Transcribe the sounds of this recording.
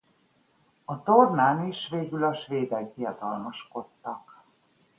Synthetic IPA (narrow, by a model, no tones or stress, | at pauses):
ɒt̪ornaːniʃʋeːɡylɒʃʋeːd̪ɛɡ̚d̪ijɒd̪ɒlmɒʃko̞t̪ːɒk